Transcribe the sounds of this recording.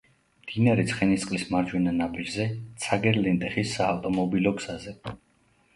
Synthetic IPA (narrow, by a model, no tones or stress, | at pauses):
md̪̥inaɾɛt̪sʰχɛnist̪sʼqʼlismaɾd͡ʒwɛnanabʼid͡ʒzɛt̪sʰaɡɛɾlɛnt̪ʼɛχisːaːft̪ʼɔmɔbilɔɡz̥azɛ